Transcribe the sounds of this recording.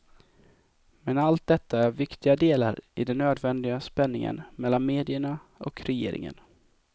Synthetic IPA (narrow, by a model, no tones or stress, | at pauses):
mɛnalt̪̚d̪ɛt̪ʰːaæɾvɪkt̪ɪɡad̪eːla̰ɾɪd̪ɛnːøːd̪vɛnd̪ɪɡaspɛnːɪŋə̰nmɛlːanmeːd̪ɪəɳa | ɔkɾɛjḛːɾɪ̰ŋə̰n